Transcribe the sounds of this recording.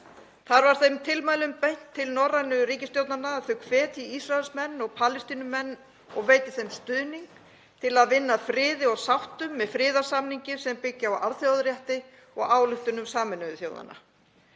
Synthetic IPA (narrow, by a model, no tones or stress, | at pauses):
θaɾvaɾ̥θejmt̪ʰɪlmaːjlʏmpejn̥t̪ʰːɪlnɔrːanʏɾiːcɪst̪jowt̪nanaːðθœɥkʰvɛːt̪iisraɛlsmɛnːɔɣpʰaːlɪst̪iːnʏmɛnː | ɔ̰ɣveːjt̪ɪθejmst̪ʏðniŋk | t̪ʰɪlaðvɪnːafɾɪːðɪɔɣsawht̪ʏmːɛðfɾɪːðḁsamniɲcɪsɛmpɪcːɪawʔaɾðθjowðɾjaht̪ɪ | ɔɣaːwlʏht̪ʏnʏmsaːmɪnʏðʏθjo̰ːwða̰na̰